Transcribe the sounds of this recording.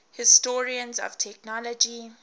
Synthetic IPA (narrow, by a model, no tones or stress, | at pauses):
hɪstɔɹiə̃nzɔ̰vtʰɛk̚nɔlɔd͡ʒi